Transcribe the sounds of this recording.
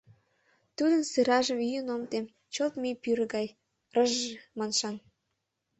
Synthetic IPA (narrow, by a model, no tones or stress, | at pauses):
t̪ud̪ənsɨɾɑʒəmyjənomt̪em | t͡ɕolt̪mipyɾəɡɑj | rəʒʒemɑnʃɑn